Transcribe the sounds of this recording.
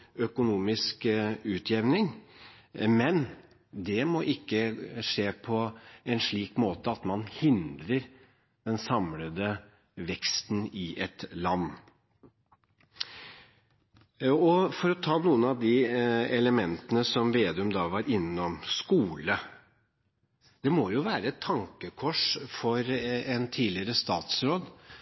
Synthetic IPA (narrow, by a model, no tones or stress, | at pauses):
œkʊnuːmɪskʉːt̪ʰjɛʋnɪŋ | mɛn | d̪ɛmɔʔɪkːəʂeːpʰɔɛnʂɭiːkmoːt̪əɑt̪mɑnhɪnd̪ɾəɾ | d̪̥ɛnsɑmləd̪ə | ʋɛkst̪nɪʔɛt̪lɑnː | ɔfɔɾɔt̪ʰɑːnuːənɑʋd̪ɪɛləmɛnt̪ənəsɔmʋeːd̪ʉmd̪ɑʋɑɾɪnːɔmskuːlə | d̪̥ɛmɔjʊʋæːɾəɛt̪ʰːɑŋkəkʰɔʂfɔɾɛnt̪ʰiːlɪəɾəst̪ɑːt̪sɾoːd̪